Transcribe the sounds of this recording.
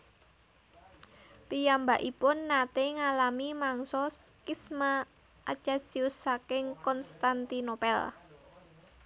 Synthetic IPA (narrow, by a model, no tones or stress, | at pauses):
pijambaʔipʊnːat̪eŋalamimaŋsɔskisma | ʔa̰t͡ʃasiusːakɪŋkɔnst̪ant̪inopɛl